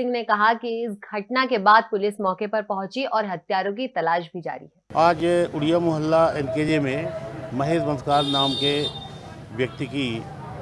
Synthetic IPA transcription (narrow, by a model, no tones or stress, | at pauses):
ɪ̃ŋɡnekɐɦakiɪsɡʱɐʈnakebaːd̪̚pʊlɪsmɔːkepɐɾpɐɦʊ̃t͡ʃiʔɔːɾɦɐt̪jaːɾõk̬it̪ɐlaːʃ̬bʱid͡ʒa̰ːɾḭɦɛːaːd͡ʒʊɽijamʊɦəlːaenked͡ʒemẽmɐɦeːzbənskaːɾnaːmke | ʋjɐk̚t̪iki